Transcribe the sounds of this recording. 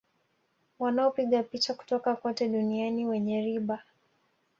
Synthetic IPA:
wanaɔpiɠapit͡ʃaku̥tɔkakɔtɛɗunianiwɛɲɛɾiɓa

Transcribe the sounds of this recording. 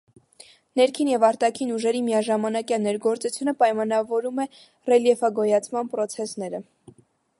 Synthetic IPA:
nɛɾkʰinjɛvɑɾt̪ɑkʰinuʒɛɾimijɑʒɑmɑnɑkjɑnɛɾɡɔɾt͡sut͡sʰjunəpɑjmɑnɑvɔɾumɛ | rɛljɛfɑɡɔjɑt͡sʰmɑnpɾɔt͡sʰɛsnɛɾə

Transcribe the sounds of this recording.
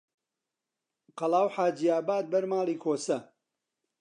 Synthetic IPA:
qɐlˠaːwħaːd͡ʒiːaːbaːd̪̚bɐɾmaːlˠiːkʰoːsɐ

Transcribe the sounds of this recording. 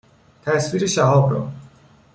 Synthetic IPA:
t̪ʰæsfiɾeʃæɦɒːbɾɔ̰

